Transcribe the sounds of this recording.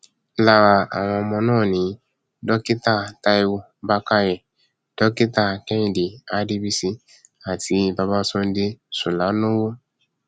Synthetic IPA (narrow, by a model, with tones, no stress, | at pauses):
la˨wa˨a˨w̃ɔ̃˧ɔ˧mɔ̃˧nɔ̃ː˦˨nĩ˨˦ | dɔ˦ki˦ta˦˨ta˧˦i˦wo˦ | ba˦ka˦jɛ˨ | d̥ɔ˦ki˦ta˦˨kɛ̃˦˨di˨a˦di˦bi˦si˧ | a˨tʰi˨˧ba˧ba˦sõ˦n˦di˦su˨la˨˦nõ˦wo˦